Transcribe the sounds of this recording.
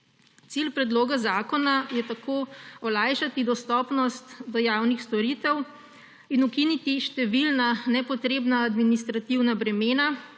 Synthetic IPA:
t̪silpɾɛd̪loːɡazaːkɔnajɛt̪akoːɔlajʃat̪id̪ɔst̪ɔpnɔst̪d̪ɔjaːwnixst̪ɔɾiːt̪ɛw | inukinit̪iʃt̪ɛʋilnanɛpɔt̪ɾeːbnaːd̪minist̪ɾat̪iwnabɾɛmeːna

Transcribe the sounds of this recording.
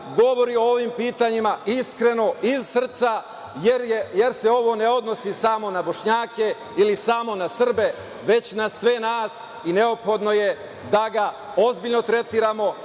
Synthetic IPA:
ɡo̞ʋo̞ɾiooʋimpiːt̪aɲimaiskɾe̞no̞izsr̩t̪sa | jeɾjejeɾse̞o̞ʋo̞ne̞o̞d̪no̞sisamo̞nabo̞ʃɲaːke̞ | ilisamo̞nasr̩be̞ | ʋe̞t͡ɕnasʋe̞naːs | ine̞o̞pxo̞d̪no̞je̞ | d̪aɡa | o̞zbiʎnot̪ɾe̞t̪iːɾaːmo̞

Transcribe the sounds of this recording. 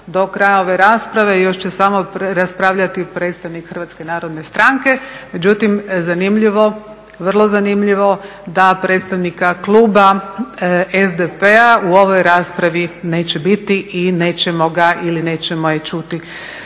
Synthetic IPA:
d̪o̞kɾajaoʋe̞ɾaːspɾaʋe̞jo̞ʃt͡ɕesamopɾaspɾaʋʎat̪ipɾe̞t̪st̪aʋnikxər̩ʋat̪ske̞naːɾo̞d̪ne̞st̪ɾaŋke̞me̞d͡ʑut̪imzanimʎiʋo̞ | ʋr̩lˠo̞zanimʎiʋo̞ | d̪apɾet̪st̪aʋnikaklˠuːba | ezd̪epeauo̞ʋo̞jɾaːspɾaʋine̞ːt͡ɕebit̪iʔine̞ːt͡ʃemo̞ɡaʔiline̞ːt͡ɕemojet͡ʃut̪i

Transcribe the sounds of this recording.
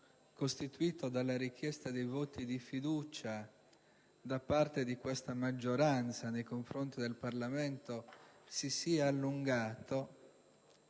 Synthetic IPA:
kost̪it̪uiːt̪od̪alːaɾik̟jɛst̪ad̪ejvot̪id̪ifid̪uːt͡ʃa | d̪apːart̪ed̪ikwest̪amad͡ʒːoɾant̪sanejkoɱfɾont̪id̪elparlament̪osisiaalːuŋɡaːt̪o

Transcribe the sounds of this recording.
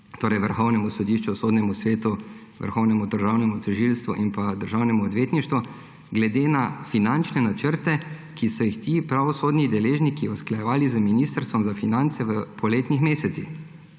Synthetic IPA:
t̪oːɾɛjʋəɾxɔwnɛmusɔd̪iːʃt͡ʃusoːd̪nʲɛmusʋeːt̪u | ʋə̰ɾxɔwnɛmud̪əɾʒaːwnɛmut̪ɛʒilst̪ʋuʔimpad̪əɾʒawnɛmuɔd̪ʋjeːt̪niʃt̪ʋu | ɡlɛd̪eːnafinant͡ʃnɛnat͡ʃəɾt̪ɛ | kisɔjixt̪iːpɾaʋɔsoːd̪nid̪ɛleːʒnikiɔsklajɛʋaːlizəminiːst̪əɾst̪ʋɔmzafinant̪sɛʋəpʰɔleːt̪nixmeːsɛt̪six

